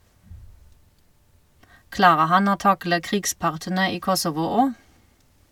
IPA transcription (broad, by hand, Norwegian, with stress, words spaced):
ˈklɑːʁə ˈhɑn ˈoː ˈtɑklə ˈkʁiːɡˌspɑʁtənə ˈiː ˈkɔsɔʋʊ ˈoː